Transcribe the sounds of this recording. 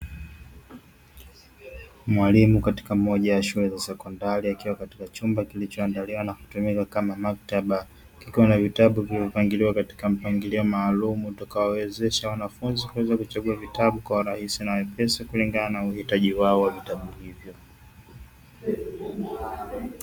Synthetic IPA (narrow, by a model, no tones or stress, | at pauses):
mwalimukati̥kamɔʄawaʃulɛzasɛkɔndaɾiakiwakati̥kat͡ʃumbakilit͡ʃɔandaliwanaku̥tumikakamamak̚taɓa | kikiwanavitaɓuvilivɔpaŋɡiliwakati̥kam̩paŋɡiliɔmaːlumutakawawɛzɛʃawanafunzikuwɛzakut͡ʃaɠuavitaɓukwauɾahisinawɛpɛsakuliŋɡananaauhitaʄiwaɔwavitaɓuhivjɔ